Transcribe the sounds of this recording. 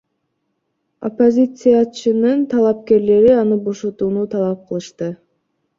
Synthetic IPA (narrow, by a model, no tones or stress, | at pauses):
o̞̰po̞zʲit̪sɨjat͡ʃɯnɯnt̪ʰɑlˠɑp̚ke̞ɾle̞ɾiɑnɯbo̞ʃot̪uːnut̪ʰɑlˠɑp̚qʰɯlˠɯʃt̪ɯ